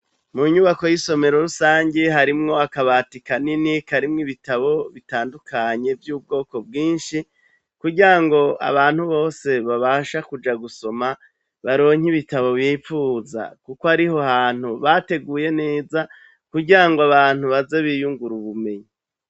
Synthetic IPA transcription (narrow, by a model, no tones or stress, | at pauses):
muɲuːβako̞jiso̞me̞ɾo̞ɾusaːɲɟe̞ɦaɾimŋo̞akaβatikaninikaɾimŋiβitaβo̞βitaːndukʰaɲe̞vjuːb̚ɡo̞ːko̞b̚ɡiːnʃi | kuɟiɾaŋɡo̞a̰βaːn̥huβo̞ːse̞βaβaʃakud͡ʒaɡuso̞ma | βaɾo̞ːɲiβitaβo̞βiːfuza̰kukoaɾiɦo̞haːn̥huβate̞ɡuːje̞ne̞ːza | kuɾɟiɾaŋɡoaβaːn̥huβaze̞βijuŋɡuɾuβume̞ɲi